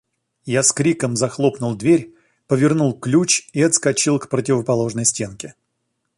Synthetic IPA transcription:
jaskɾʲikəmzɐxlˠo̞pnʊlˠd̪vʲeɾʲ | pəvʲɪrnulˠklʲut͡ɕiɐt̪skɐt͡ɕilˠkpɾət̬ʲɪvəpɐlˠo̞ʐnəjsʲtʲe̞nkʲɪ

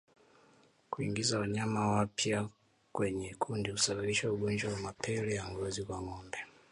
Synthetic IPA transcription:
kuiŋɡizawaɲamawapja | kwɛɲɛkʰundiusaɓaɓiʃauɡɔnd͡ʒwawamapʰɛlɛjaŋɡɔzikwamɔndɛ

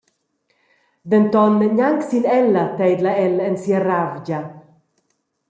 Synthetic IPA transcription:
ðɛnt̪ɔnːɲaŋksinɛlːat̪ɛjd̪laɛlɛnsiːaɾavɟa

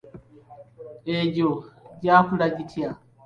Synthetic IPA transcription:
eɟoɟakulaɟitʰja

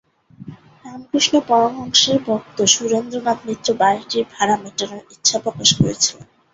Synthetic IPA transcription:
ɾamkɾiʃnopɔɾoŋɔŋʃeɾbʱɔk̚t̪oʃuɾend̪ɾonat̪nit̪ːɾobaeʈiɾbʱaɾameʈanoɾitːɕʰapɾokaʃkoɾḛt͡ɕʰi

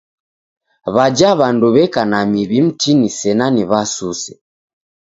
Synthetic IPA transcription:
βad͡ʒaβanduβɛkanamiβim̩tinisɛnaniβasusɛ

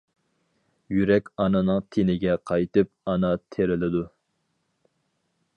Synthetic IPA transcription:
jyɾɛkʲɑnɨnɨŋt̪ʰenɪɡʲɛqʰɑjt̪ɨp̚ɑnɑt̪ʰeɾɪlɪd̪u

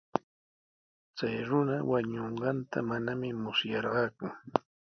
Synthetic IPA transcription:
t͡sajɾʊnawaɲoɴɢɑnt̪ʰa̰manamɪmʊsjɑɾɢɑːkʊ

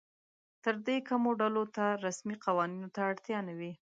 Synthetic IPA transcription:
t̪əɾd̪ekamoɖalot̪aɾasmiqawɑninot̪aːɽt̪jɑnawi

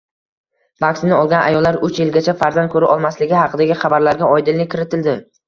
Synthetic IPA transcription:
bakʲsɪnɪɒlˠɡʲanʔa̰jɒlːaɾʊt͡ʃjɪlɡʲat͡ʃʰafaɾzan̚kʰɵɾɪʔɒlˠmaslɪɡʲɪɦɑqʰɨd̪aɡʲɪχɑbaɾlaɾɡʲaɒjd̪ɪlːɪkʲʰɪɾɪt̪ʰɪld̪ɪ

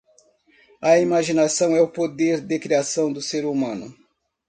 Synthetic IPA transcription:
ɐimaʒinasɐ̃w̃ɛʊpod̪eɾd̪ɪkɾiasɐ̃w̃d̪ʊseɾumɐ̃nʊ

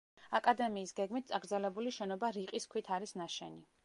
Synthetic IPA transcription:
akʼad̪ɛmiːsɡɛɡmit̪̚sʼaɡɾd̪zɛlɛbuliʃɛnɔbaɾiqʼiskʰwit̪ʰaɾisnaʃɛ̰ni

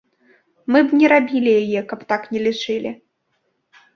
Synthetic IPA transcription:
mɨbnʲɛɾabʲilʲijajɛkɐpt̪aknʲɛlʲiʂɨlʲi

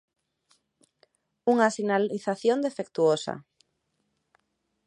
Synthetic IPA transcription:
uŋasinaliθaθjond̪efek̚t̪uosa̰

